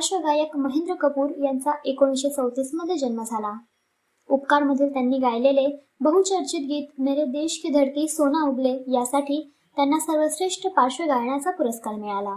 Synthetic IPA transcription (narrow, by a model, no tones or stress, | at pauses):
paɾɕʋəɡajəkməɦend̪ɾəkəpuːɾjant͡saʔekõɕet͡səwt̪iːsməd̪ʱːjed͡ʑənməd͡zʱala | upkaɾməd̪ʱiːlt̪janːiːɡajlele | bəɦut͡ɕəɾt͡ɕit̪̚ɡiːt̪meɾed̪eɕkid̪ʱəɾk̪iːsonauɡlejasaʈiː | t̪janːasəɾʋəsɾeʂʈʰəpaɾɕʋəɡajɳ̃at͡sapuɾəskaɾmiɭala